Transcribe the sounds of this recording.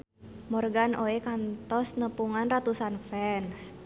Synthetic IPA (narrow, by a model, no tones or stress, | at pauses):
mɔrɡanoɛkant̪ɔsnəpuŋanrat̪usanfɛns